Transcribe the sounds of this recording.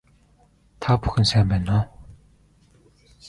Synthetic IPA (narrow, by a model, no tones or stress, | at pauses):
t̪ʰapu̥xʲɘ̆nsæːmpæːnɔ